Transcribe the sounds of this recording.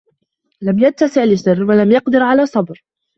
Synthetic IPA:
lamjad̪̚t̪ːasɪʕlɪʃɪrːwalamjɑqd̪ɪɾʕalaːsˤɑbɾ

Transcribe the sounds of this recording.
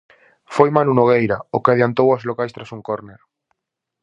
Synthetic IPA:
fojmanunoɣ̞ejɾaokeaðjant̪owazlokajst̪ɾasuŋkoɾneɾ

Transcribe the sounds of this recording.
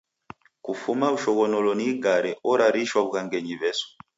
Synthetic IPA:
kufumauʃɔɣɔnɔlɔniɡaɾɛʔɔɾaɾiʃwaβukaŋɡɛɲiβɛsɔ̥

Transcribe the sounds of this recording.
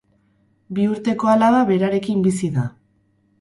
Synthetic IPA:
biuɾt̪e̞ko̞alaðaβe̞ɾaɾe̞kimbisiða

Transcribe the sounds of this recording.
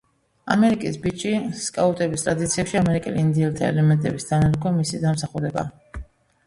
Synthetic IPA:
a̰mɛɾikʼisbit͡ʃʼiskʼaut̪ʼɛbist̪ʼɾad̪it̪sʰiɛpʃiamɛɾikʼɛliːnd̪iɛlt̪ʰaɛ̰lɛmɛnt̪ʼɛbisd̪ʰanaɾɡʰɔmisid̪amsaχuɾɛba̰

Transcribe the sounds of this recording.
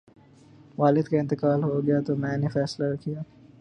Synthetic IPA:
ʋaːlɪd̪kaɪ̃nt̪ɪkaːlɦoɡɐjat̪omɛ̃ːnefɛːslaɾɐkijaː

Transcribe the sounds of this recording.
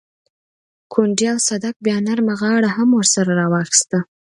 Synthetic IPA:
kʰoɳɖjawsad̪ak̚bjɑnaɾmaɣɑɽahamwəɾsaɾaɾɑwɑxi̥st̪a

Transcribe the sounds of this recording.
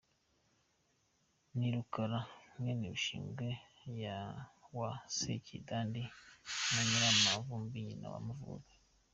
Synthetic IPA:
niɾukaɾamweniβiʃḭːŋɡe | jawasḛcḭdaːndinaɲiɾamavumbiɲina̰βa̰muvṵɾe

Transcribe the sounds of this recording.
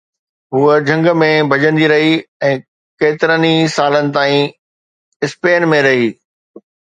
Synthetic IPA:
ɦuːəd͡ʑʱɐ̃ŋɡə̆mẽbʱɐd͡ʑə̃nd̪iɾɐɦiɛ̃ː | keːt̪ɪɾənisaːlənɪ̆t̪aːĩ | ɪspeːnmẽɾɐɦiː

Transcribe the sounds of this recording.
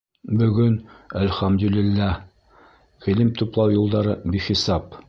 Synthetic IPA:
bɵ̆ɡɵnælχæmd̪ɵlilːæ | filɘmt̪uplˠɑwjulˠd̪ɑɾɤbiχisɑp

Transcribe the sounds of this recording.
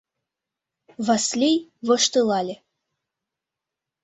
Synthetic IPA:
vɑslʲijvɤ̆ʃt̪ɤlɑlʲe

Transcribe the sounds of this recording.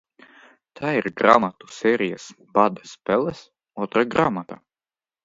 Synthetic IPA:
t̪ʰaːiɾɡɾa̰mat̪u̥sʲɛːɾijas | bad̪ɛspɛlˠɛs | uɔt̪ɾaɡɾamat̪a

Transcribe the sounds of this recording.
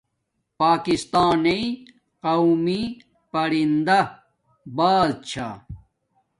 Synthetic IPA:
paːkist̪aːnei | qɐwmi | pɐɾind̪ɐ | baːdt͡ɕʰa̰

